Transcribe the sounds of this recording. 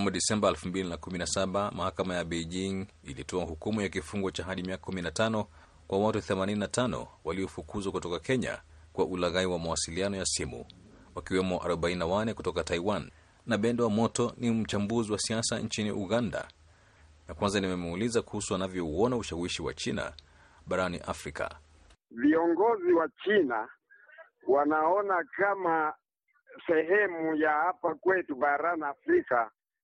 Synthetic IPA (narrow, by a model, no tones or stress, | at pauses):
muɗisɛmbaɛlfumbilinakuminasaɓamahakamajaɓeʄiŋḭlitɔahukumujakifuŋɡɔt͡ʃaɦaɗimiakakuminatanɔ | kwʔawatuθɛmanininatʰanɔ̰waliɔfukuzwakutɔkakɛɲa̰kwaʔulaɣaiwamawasilianɔjasimṵ | wakiwɛmɔʔa̰ɾɔɓaininawanɛkutɔkataiwanː | aɓɛndɛwamɔtɔnim̩t͡ʃambuziwasiasant͡ʃinḭʔuɣanda̰ | nakwanzanimɛmulizakuhusuanavjɔuɔnauʃawiʃiwa̰t͡ʃina̰ | ɓaɾanḭʔafɾika̰ | viɔŋɡɔziwat͡ʃina | wanaɔnakama | sɛhɛmujahapakwɛtuɓaɾaniafɾika